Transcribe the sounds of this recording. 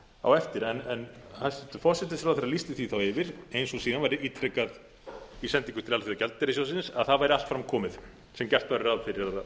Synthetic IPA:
a̰wɛft̪ɪɾɛnɛnhasɪ̥t̪ʏ̥fɔsɛt̪ɪsɾawθejɾalist̪ɪθiθawɪvɪɾejnsɔsiːnanvajɾɪiːt̪ɾɛkað | isɛnt̪iŋkʏ̥t̪ɪlalfiðacɛlt̪ɛɾɪsjaws̬ɪnsaðθaðvajɾɪalt̪fɾamkʰɔːmɪð | sɛmcɛr̥t̪vaɾɪɾawðfɪɾɪɾað

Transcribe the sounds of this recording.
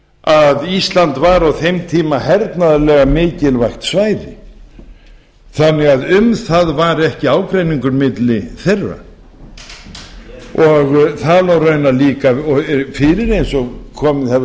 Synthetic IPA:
aðist̪lant̪vaɾawθejmt̪ʰiːmahɛɾt̪naðalɛɣamɪːcɪlvajxt̪svaːjɾɪ̰ | θanːɛɣaðʏmθaðvaɾɛhcɪaːwkɾejniŋkʏɾmɪt̪lɪθerːa̰ | ɔɣθalawrœɥnaliːkaɔfɪɾɪɾejnsɔɣkʰɔːmɪɛv

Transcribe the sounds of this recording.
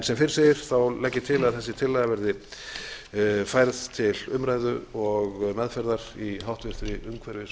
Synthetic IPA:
nsɛmfɪɾɪ̥sɪɾ̥θawlɛcːɪ̥t̪ʰɪlaðθɛsːɪt̪ʰɪlːajɣavɛɾðɪ | fajɾðt̪ʰɪlʏmɾaːjðʏɔɣmɛðfɛɾðaɾ̥iɦawht̪vɪ̥θɾɪʏmkʰvɛɾvɪs

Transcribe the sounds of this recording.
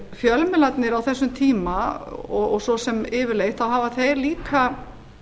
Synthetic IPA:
fjœlmɛlat̪nɪɾawθɛsːʏmt̪ʰiːmaɔɔɣsɔsɛmɪːvɪɾlejht̪θawɦaːvaθejliːkʰa

